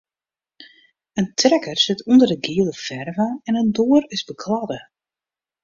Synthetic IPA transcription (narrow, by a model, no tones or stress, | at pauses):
əntʰrɛkərsɪtʰundərdəɡiəlˠəfɛrvaɛnəndoːəɾɪzbəkʰladə